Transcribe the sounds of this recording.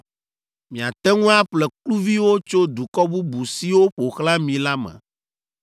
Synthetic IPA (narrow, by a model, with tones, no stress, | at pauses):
mĩ˨a˨t̪ɛ˦ŋũ˦a˦ɸlɛ˨klu˦vi˦wo˦t͡ʃo˦d̪u˨kɔ˦bu˦bu˨si˦wo˦ɸo˨xlã˦mĩ˨la˦mɛ̰̃˨